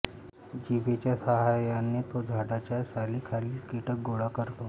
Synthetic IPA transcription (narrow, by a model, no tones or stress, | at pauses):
d͡ʑiʋet͡ɕjasəɦajjanːet̪od͡ʑʱaɽat͡ɕjasaliːkʰaliːkeʈək̚ɡoɽakəɾt̪o